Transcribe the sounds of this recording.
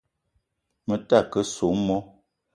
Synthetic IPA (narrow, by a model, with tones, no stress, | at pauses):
mə˨ta˦˨kə˦so˨˦mɔ˦